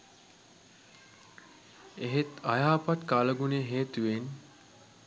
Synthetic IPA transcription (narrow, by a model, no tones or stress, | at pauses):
eɦet̪ajaːpat̪kaləɡuneɦeːt̪uʋen